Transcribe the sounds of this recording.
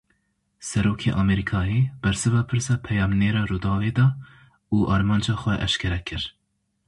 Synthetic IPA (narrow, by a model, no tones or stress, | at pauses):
sɛɾoːkʰeːʔɑːmɛɾikʰɑːjeːb̥ɛɾsɨvɑːpʰɨɾsɑːpʰɛjɑːmneːɾɑːɾuːd̪ɑːveːd̪ɑː | uːʔɑːɾmɑːnd͡ʒɑːxʷɛʔɛ̰ʃkʰɛɾɛkʰɨɾ